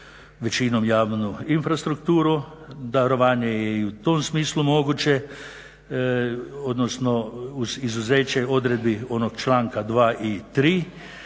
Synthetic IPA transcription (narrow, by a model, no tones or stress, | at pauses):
ʋɛt͡ʃiːnɔmjaːwnuinfɾast̪ɾukt̪uːɾud̪aɾɔʋaːnjɛjɛiwt̪omsmiːslumoːɡut͡ʃɛ | od̪nosnɔuzizuzeːt͡ʃɛjod̪ɾɛd̪̚bioːnok̚t͡ʃlaːŋkad̪ʋaːʔit̪ɾiː